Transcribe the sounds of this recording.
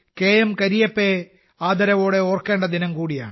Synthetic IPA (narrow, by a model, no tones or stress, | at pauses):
keːjɐmkɐɾijɐpːe | aːd̪ɐɾɐʋo̞ːɽeoːrke̞ːɳɖɐd̪inɐmkuːɽija̰ːɳ